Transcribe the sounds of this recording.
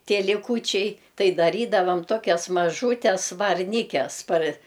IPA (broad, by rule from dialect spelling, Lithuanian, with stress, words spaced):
ˈtʲiɛ lʲɪˈkuːt͡ʃʲɛɪ ˈtɐɪ dɐˈrʲiːdɐʋɐm ˈtoːkʲɛs mɐˈʒuːtʲɛs ʋɐrʲˈnʲiːkʲɛs pɐr